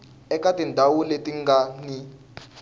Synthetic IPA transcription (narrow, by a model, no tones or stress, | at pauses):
ɛkatindʱawuletiŋɡani